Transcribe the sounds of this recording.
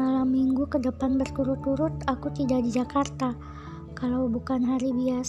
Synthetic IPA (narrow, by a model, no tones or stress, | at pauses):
alamːiŋɡukədəpanbərkuɾʊt̪̚kuɾʊt̪akut̪idaʔdid͡ʒakart̪a | kalawbukanɦaɾibias